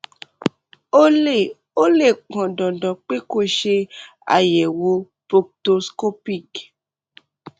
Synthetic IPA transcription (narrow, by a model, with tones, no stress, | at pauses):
o˦e˨ | o˦le˦˨k͡pɔ̃˨dɔ̃˨dɔ̃˨k͡pe˦ko˦˨ʃe˧ | a̰˨je˨wo˧˦ | po˧k̚to˧sko˦pi˦˨k